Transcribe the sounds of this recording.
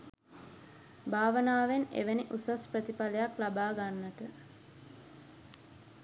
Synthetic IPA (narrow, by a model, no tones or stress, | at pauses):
bʱaːʋənaːʋenḛʋəniʔusasprət̪ipalejaklabaːɡanːəʈə